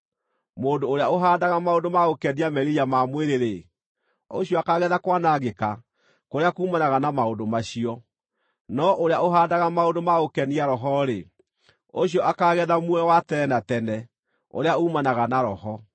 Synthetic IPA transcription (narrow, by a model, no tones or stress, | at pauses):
moːdoːɾeaoɦaːdaɣamaondomaokɛniamɛɾijamamweɾeɾe | oɕijɔakaɣɛðakwanaɣeka | koɾeakuːmanaɣanamaodomaɕiɔ | nɔʔoɾeaoɦaːdaɣamaondomaokɛniaɾɔɦɔɾe | oɕ̬ijɔʔakaɣɛðamwɛwatɛɛnatɛnɛ | o̰ɾeaoumanaɣanaɾɔhɔ